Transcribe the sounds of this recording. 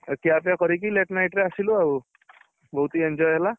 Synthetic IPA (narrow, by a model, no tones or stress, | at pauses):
kiapjakəɾikileʈnajʈɾeasiluau | bɔɦut̪ieɲd͡ʑɔjɦela